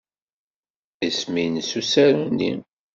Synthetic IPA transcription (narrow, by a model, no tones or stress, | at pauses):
isminsusæɾunːḭm